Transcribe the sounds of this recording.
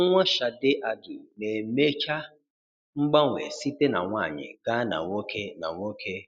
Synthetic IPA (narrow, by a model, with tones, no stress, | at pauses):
ŋʷa˦ʃa˨dɪ˦ʔa˨ɡɪ˨ne˨me˦t͡ʃa˦ | ŋ͡m̩˦ɡ͡ba˦ŋʷḛ˨si˦te˦na̰˨ŋʷa˦˨ɲɪ̰˨ɡ̥a˦na̰˨ŋʷo˦kʰe˦na̰˨ŋʷo˦kʰe˦